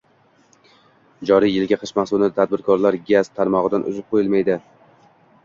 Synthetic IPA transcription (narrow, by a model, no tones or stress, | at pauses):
d͡ʒɒɾijjɪlɡʲaqʰɨʃmasʊlnɪat̪ʰad̪̚bɪɾkʰɒɾlaɾɡʲaz̥t̪ʰaɾmɒʁɨd̪anʊ̰zɪp̚qʰojɪlmajd̪ɪ